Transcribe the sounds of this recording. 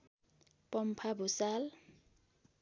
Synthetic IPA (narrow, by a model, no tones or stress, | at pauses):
pɔm̩pʰabʊsal